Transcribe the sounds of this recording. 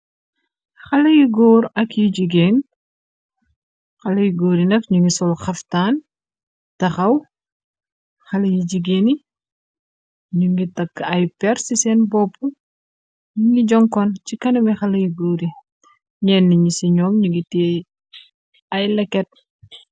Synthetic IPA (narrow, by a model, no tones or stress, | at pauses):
xɐlɐjiɡoːɾɐkjiɟiɡeːn | xɐlɐjiɡoːɾinɐkɲuŋɡisɔlxɐftaːn | tɐxɐw | xɐlɐjiɟiɡeːni | ɲuŋɡitɐkːɐjpɛɾsisɛːnbɔːpːu | ɲuŋɡiɟɔŋkɔncikɐnɐmixɐlɐjiɡoːɾi | ɲɛːnːiɲisiɲɔːmɲuŋɡitɛː | ɐjlɛkːɛt̚